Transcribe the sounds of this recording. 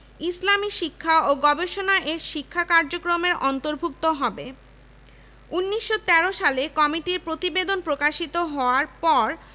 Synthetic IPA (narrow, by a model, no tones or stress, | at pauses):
islamiʃikʰːaoɡɔbeʃonaʔeɾʃikʰːakaɾd͡ʑokɾomeɾɔnt̪oɾbʱuk̚t̪oɦɔbe | unːiʃːot̪ɛɾoʃalekɔmiʈiɾpɾot̪ibed̪onpɾokaʃit̪oɦɔoaɾpɔɾ